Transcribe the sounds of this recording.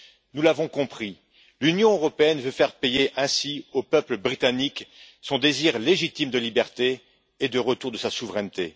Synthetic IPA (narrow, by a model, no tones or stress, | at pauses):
nulavɔ̃kɔ̃pχi | lynjɔ̃øʁɔpeɛnvøfɛʁpejeʔɛ̃siopœpləbʁit̪anik | sɔ̃d̪eziʁleʒit̪imd̪əlibɛʁt̪eː | d̪əʁət̪uʁd̪əsasuvʁɛnt̪e